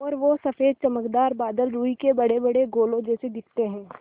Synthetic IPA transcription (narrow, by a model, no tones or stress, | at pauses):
ɔːɾʋosɐfeːd̪̚t͡ʃɐməkd̪aːɾbaːd̪əlɾuːikebɐɽebɐɽeɡoːlõd͡ʒɛːsed̪ɪkʰt̪eɦɛ̃ː